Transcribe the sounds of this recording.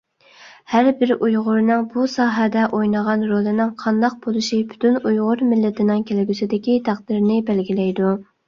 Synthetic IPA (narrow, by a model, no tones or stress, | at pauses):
hæɾbɪɾʔujʁʊɾnɨŋbusɑːɦɛd̪ɛʔojnəʁɑnɾolˠɨnɪŋqʰɑnd̪ɑq̚b̥olˠɨʃipʰy̥t̪ʰynujʁʊɾmɪlːɪt̪ʰɪnɪŋkʲʰelɪɡʲysɪd̪ɪkʲit̪ʰæq̚d̪ɪɾnɪbælɡʲilɛjd̪u